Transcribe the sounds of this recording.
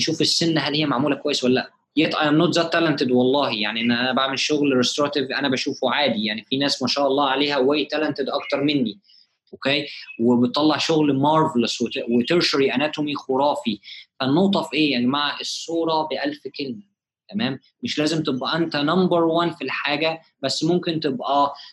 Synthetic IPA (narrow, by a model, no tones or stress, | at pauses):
ʃuːfesːenːɦælːhejːæmaʕmuːlækowæjːeswælːæːlæʔ | jet̪ˤʔɑjæmnːoːt̪zæːt̪ːælænt̪ed̪wɑlˤːɑːhijaʕniʔenːʔænæbaʕmelʃoɣlɾest̪oɾɑt̪evʔænæbæʃuːfuʕaːd̪ijaʕnifinæːsmæʃæːʔɑlˤːɑːʕaleːhæwæːjt̪ælænt̪ed̪ʔɑkt̪ɑɾˤmenːi | ʔokeːwebet̪ˤːɑlːɑʕʃoɣlmɑɾˤvleswewet̪eɾʃoɾiʔænæt̪omixoɾɑːfifænowt̪ˤɑfʔeːjaʕnimaʕʔesˤːuːɾˤɑbeʔælfkelmæ | t̪æmæːmːeʃlæːzemt̪ebʔæʔent̪ænɑmbeɾˤwænfilħaːɡæ | bæsːmomkent̪ebʔæ